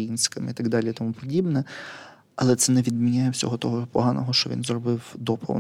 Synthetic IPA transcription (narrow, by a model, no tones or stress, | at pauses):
jinʲsʲkɐmit̪aɡd̪ɑlʲiit̪ɔmupɔdʲibnɛ | ɐlˠɛt̪sɛnɛʋʲid̪mʲinʲajɛwsʲɔ̰ɦɔt̪ɔɦɔpɔɦɑnɔɦɔʃt͡ʃɔʋʲḭnzrɔbɪwd̪ɔpɔ̰